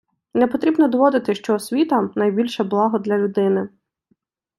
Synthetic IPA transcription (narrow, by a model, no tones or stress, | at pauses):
nɛpɔt̪ɾʲibnɔd̪ɔʋɔd̪ɪt̪ɪʃt͡ʃɔːsʲʋʲit̪ɐnɐjbʲilʲʃɐblˠɑɦɔd̪lʲɐlʲʊd̪ɪnɪ